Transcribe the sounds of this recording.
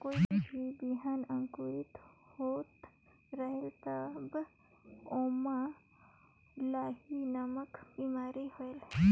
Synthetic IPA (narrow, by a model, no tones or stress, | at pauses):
koːid͡ʒibiɦaːnə̃ŋkuɾit̪hoːt̪ | ɾəɦelt̪əb | oːma | laːhinɐməkbiːmaːɾihoel